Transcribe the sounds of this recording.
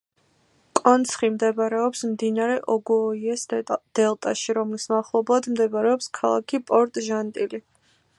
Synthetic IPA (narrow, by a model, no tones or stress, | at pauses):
kʼɔnt̪sʰχimd̪ɛbaɾɛɔpsmd̪inaɾɛʔɔɡuɔiɛsd̪̥ɛlˠt̪ʼaʃiɾɔmlismaχlˠɔblˠad̪md̪ɛbaɾɛɔpskʰalˠa̰kʰipʼɔɾt̪ʼʒant̪ʼili